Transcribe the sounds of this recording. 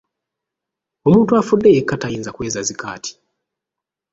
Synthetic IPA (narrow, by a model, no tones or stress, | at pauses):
o̞muːntuafudːeekːatajiːnzakwe̞ːzazika̰ːtʰi̥